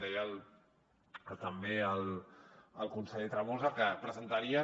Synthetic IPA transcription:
ɛjaəl | kət̪əmbeəl | əlˠkunsəʎet̪ɾamozəkəpɾəzənt̪aɾiə

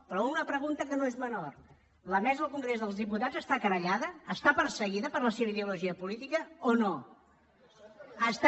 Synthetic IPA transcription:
pɾɔunəpɾəɣunt̪əkənoezmənor | ləmɛzəəlˠkuŋɡɾezðəlˠzðiput̪ḁd͡zəst̪akəɾəʎaðəːst̪apəɾsəɣiðəpəɾləseβəiðəuluʒiəpulit̪ikəono | əst̪

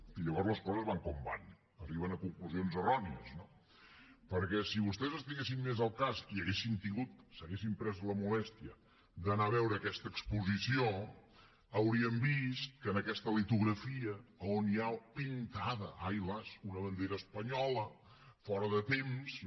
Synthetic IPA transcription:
iʎəβɔɾzləskɔzəzβaŋkumba̰n | əriβənəkuŋkluzionzərɔniəzno | pəɾkɛsiβust̪ɛzəst̪iɣesimmezəlˠkaziəɣesint̪iŋɡut̪̚səɣesimpɾɛzləmulɛst̪iə | d̪ənaβɛwɾəːkɛst̪əːkspuzisio | əwɾiəmbist̪̚kənəkɛst̪əlit̪uɣɾəfiəːonjapint̪aðəʔajləzunəβənd̪eɾəːspəɲɔlə | fɔɾəðət̪ems

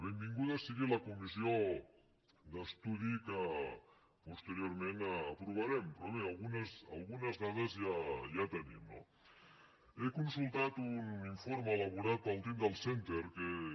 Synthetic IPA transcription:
βembiŋɡuð̞asiɣilakumisio | d̪est̪uð̞ika | pust̪eɾjoɾmẽnaapɾuβ̞aɾempɾoβealɣunasa̰lɣunazðaðezʝajat̪enḭ̃mno̰ | ekunsult̪at̪uniɱfoɾmelaβuɾat̪̚alt̪emd̪elˠsent̪eɾke

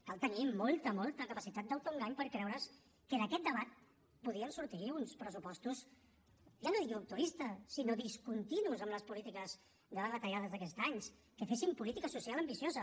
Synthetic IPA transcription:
kalˠt̪ənimolˠt̪əmɔlˠt̪əkəpəsit̪at̪̚d̪əawt̪oŋɡaɲpəɾkɾɛwɾəs | kəðəkɛt̪̚d̪əβat̪̚ | puð̞iənsuɾt̪iunspɾəsupɔst̪us | ʒanoðiɣut̪uɾist̪əsinoðiskunt̪inuzəmləspulit̪ikəz | ðəβəβət̪əʎaðəzðəkɛst̪aɲs | kəfesimpulit̪ikəsusialəmbisiozə

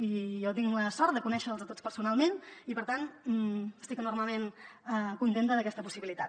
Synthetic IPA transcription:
ijɔt̪̬iŋləsɔɾt̪̚d̪əkunɛʃəːlˠzət̪ot͡spəɾsunalˠmenipəɾt̪an | əst̪ikənurməlˠmenəkunt̪ent̪əðəkɛst̪əpusiβilit̪at̪

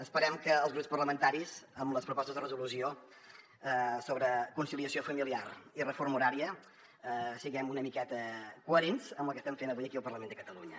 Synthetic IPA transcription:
əspəɾɛmkəːlˠzɣɾupspərləmənt̪aɾizəmləspɾupɔst̪əzðərəzulusio | ɛsoβɾəkunsiliəsiofəmiliaɾirəfoɾmuɾaɾiə | siɣɛmunəmikɛt̪əkuəɾenzəmblˠkəst̪ɛmɱfenəβujəkiəlˠpərləmend̪əkət̪əluɲə

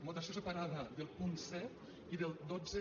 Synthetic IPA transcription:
mot̪asosepaɾaðɐðelˠpunsɛt̪ | iðelˠd̪od͡ze

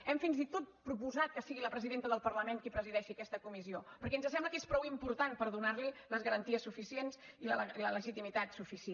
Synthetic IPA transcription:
ɛmfinzit̪ot̪̚pɾupuzat̪̚kəsiɣiləpɾəziðent̪əðəlˠpəɾləmeŋkipɾəziðɛʃiəkɛst̪əkumiziopəɾkɛnzəsɛmbləkespɾɔwimpuɾt̪anpəɾðunaɾliləzɣəɾənt̪iəsːufisiensiləilələʒit̪imit̪at̪sufisie

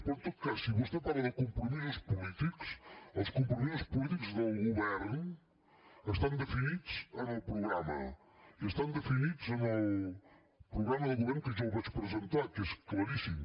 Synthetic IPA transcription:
põt̪ukaʃsĩβuʃt̪ɐpaɾɐɐkõmpuniɐʃpulˠit̪iku̥ʃɐʃkõmpumizɐʃpulˠit̪ikuzðɐwɣuβɛɾnu | ɐʃt̪ɐ̃w̃d̪ɨfiniðuʃɐ̃ɐ̃wpɾuɣɾamɐ̰ | iɐʃt̪ɐ̃w̃d̪ɨfiniðuzɐ̃ɐ | pɾuɣɾamɐðɨɣuβeɾnukɨʒɐ̃wvɐʃpɾɨzẽnt̪aɾkɐʃklˠɐɾisĩ

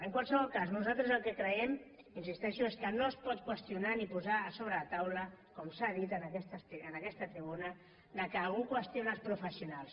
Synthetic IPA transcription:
əŋkwalˠsəβɔlˠkaznuzalˠt̪ɾəzəlˠkəkɾəɛm | insist̪ɛʃueskənoəspɔt̪̚kwəst̪iunanipuzaːsoβɾət̪awləkɔmsað̞it̪ənəkɛst̪əst̪iənəkɛst̪ət̪ɾiβunə | d̪əkəːlɣukwəst̪ionəlspɾufəsiunalˠs

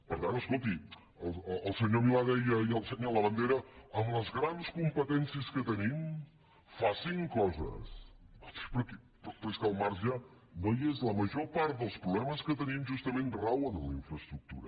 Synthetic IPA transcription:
pəɾt̪anəskolˠt̪i | əlˠəːlˠsəɲomilaðɛjəiəlˠsəɲaləβənd̪eɾəəmləzɣɾanskumpət̪ɛnsiəskət̪ənim | fasiŋkɔzə̰sɔt̪pəɾkɛ | ppɾɛskəlˠmaɾza | nojezləməʒopaɾt̪̚d̪əlˠspɾuβlɛməskət̪ənimʒust̪əmẽnrawənəliɱfɾəst̪ɾuk̚t̪ṵɾə

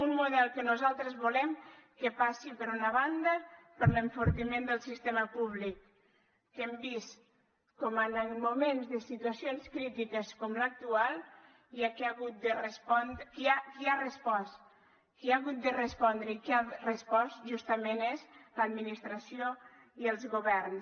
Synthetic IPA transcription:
unmuðɛlˠkənuzalˠt̪ɾəzβulɛmkəpasipəɾunaβand̪əpəɾləɱfuɾt̪imend̪əlˠsist̪eməpuβlikː | embis | kɔmənəmumenzðəsit̪uasijonskɾit̪ikəskɔmlək̚t̪ualˠ | iakeaɣut̪̚d̪ərəspɔnd̪kiakiarəspɔs | kiaɣut̪̚d̪ərəspɔnd̪ɾəikiarəspɔsʒust̪əmenezləd̪minist̪ɾasio | iəlˠzɣuβɛɾn

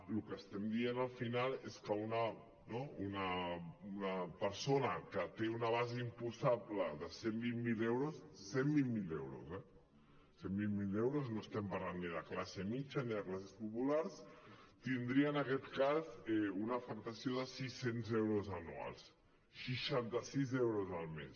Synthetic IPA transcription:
lukəːst̪ɛmd̪ienəlˠfinalˠeskəunə | nounəunəpəɾsonəkət̪eunəβ̞azeimpusaβlə̰ðəsembimːilewɾusːembilmilḛwɾṵzɛ | sembilmilewɾuznoəst̪ɛmpɐɾlanːiðəklasemit͡ʃəniðəklasespupulaɾs | t̪ind̪ɾiəːnəkɛt̪kazɛunəfəkt̪əsioðəsisenzewɾozənṵa̰lˠs | ʃiʃant̪əsizɛwɾozəlˠmḛs

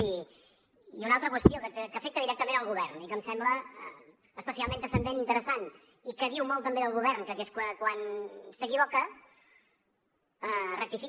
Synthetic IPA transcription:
i | iunalˠt̪ɾəkwəst̪iokət̪əkəfek̚t̪əðiɾɛk̚t̪əmẽnəlˠɣuβɛrnikəmsɛmblə̰ː | spəsialˠmẽnt̪əsənd̪enint̪əɾəsan | ikəðiwmɔlˠt̪əmbeðəlˠɣuβ̞ɛrnkəkeskəkwansəkiβokə | ərək̚t̪ifi

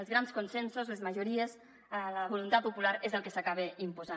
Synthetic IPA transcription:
əlzɾanskunsensuzlezməʒuɾiez | ələβulunt̪at̪̚pupulaɾezəlˠkesakaβ̞eimpuza

